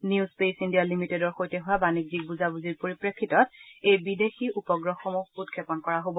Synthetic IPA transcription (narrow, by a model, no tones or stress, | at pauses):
njuzpejsindijalimitedɔɹxojtɛɦʊwabanik̚zik̚buzabuziɹpoɹipɹekʰːitɔt̚ejbidexiʔupɔɡɹɔxomuxutkʰɛpɔnkɔɹaɦobɔ